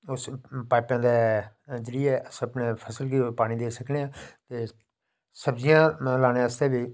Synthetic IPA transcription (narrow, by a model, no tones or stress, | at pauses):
ʊspaːpãːd̪ɛːd͡ʒɾiːɛːʔəsəpneːpʰəsəlkipaːɽ̃ĩːd̪eːsəkneːãːt̪eː | səbzɪjãːlaːnẽːəst̪eːbiː